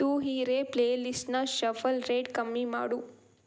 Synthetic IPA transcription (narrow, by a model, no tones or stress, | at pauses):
t̪uːɦiːɾepleːlisʈnɐʃɐfɐlɾeːʈkɐmːima̰ːɽu